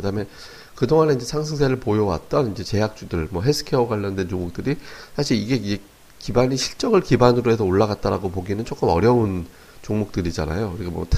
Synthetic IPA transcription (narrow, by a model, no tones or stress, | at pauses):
kɯdaɦɯme̞ | kɯdoŋane̞ind͡ʑe̞sʰaŋs̬ʰɯŋsʰeɾɯɭpojʌwa̰t̚t͈ʌnind͡ʑe̞t͡ɕe̞jak̚t͡ɕ͈udɯɭmwʌɦe̞sʰɯ̥kʰeoɡwaʎːʌndwe̞nt͡ɕoŋmuk̚t͈ɯɾisʰaɕʰiɾiɡe̞e | kibaɲiɕʰiɭt͡ɕ͈ʌɡɯɭkibanɯɾoɦe̞s̬ʰʌoɭːaɣat̚t͈aɾaɡopoɡinɯnt͡ɕ͈ʰok͈ɯmʌɾjʌun | t͡ɕoŋmuk̚t͈ɯɾid͡ʑa̰na̰joɯɾik͈amʌ̰tʰ